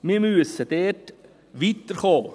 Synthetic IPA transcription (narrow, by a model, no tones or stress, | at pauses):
miɾmyəsəd̪ɛːt | ʋiːt̪əɾχoː